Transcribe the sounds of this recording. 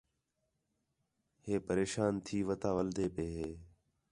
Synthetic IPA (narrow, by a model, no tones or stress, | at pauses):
ɦeːpəɾeːʃaːnt̪ʰiːʋət̪aːʋəld̪eːpeːɦeː